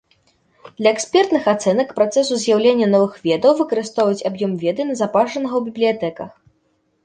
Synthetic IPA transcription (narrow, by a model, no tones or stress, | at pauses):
d̪̥lʲɐɛksʲpʲɛrt̪nɨxat̪sɛnɐkpɾat̪sɛsuzʲjawlʲenʲːɐnɔvɨxvʲɛd̪ɐwvɨkɐɾɨst̪ɔvɐjut͡sʲabjɔmvʲɛd̪ɨnɐzapaʐɐnɐɣɐwbʲiblʲijat̪ɛkɐx